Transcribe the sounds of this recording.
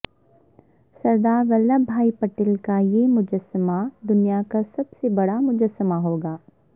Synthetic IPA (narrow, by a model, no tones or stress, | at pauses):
sɐɾd̪aːɾɣɐlːabʱaːipɐʈɪlkajemʊd͡ʒəsəmad̪ʊnijakasɐbsebɐɽamʊd͡ʒəsːəmaɦoːɡaː